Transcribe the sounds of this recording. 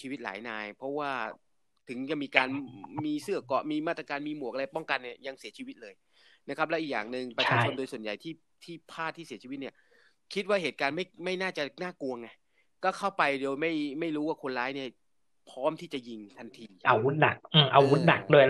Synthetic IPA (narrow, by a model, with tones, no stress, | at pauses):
t͡ɕʰiː˧wi˦˥t̪̚la̰ː˩˦jnaː˧jpʰɔ˦˥waː˥˩ | t̪ʰɯ˩˦ŋt͡ɕa˧˩miː˧kaː˧nmiː˧sɯ˥˩ɐkɔ˨˩ʔmiː˧maː˥˩t̪ɾa˧kaː˧nmiː˧mu˨˩ək̚a˧a˧pɔ˥˩ŋka˧ni˥˩ɐja˧ŋsi˨˩˦ət͡ɕʰiː˧wi˦˥t̪̚lɤː˧j | na˦˥kʰa˦˥p̚lɛ˦˥ʔiː˨˩k̚jaː˨˩ŋnɯ˨ŋpa˧aː˧˥t͡ɕo˧ndoː˧jsu˨˩ənja˨˩jt̪ʰiː˥˩ | t̪ʰiː˥˩pʰaː˥˩t̪ʰːiː˥˩si˩˦t͡ɕʰiː˧w̪̚ni˥˩ɐ | kʰi˦˥t̪̚waː˥˩ɦeː˨˩t̪̚kaː˧nma˥˩jma˥˩jnaː˥˩t͡ɕa˨˩naː˥˩ku˧əŋa˧˩j | kɔː˥˩kʰa˥˩wpa˧jdeː˧wma˥˩jma˥˩jɾuː˦˥waː˥˩kʰo˧nɾaː˦˥jni˥˩ɐ | pʰɔː˦˥mt̪ʰiː˥˩t͡ɕa˨˩ji˧ŋt̪ʰa˧nt̪ʰiː˧ʔa˧wu˦˥t̪̚na˨˩k̚ʔɯː˧˩ʔa˧wu˦˥t̪̚na˨˩k̚du˥˩əj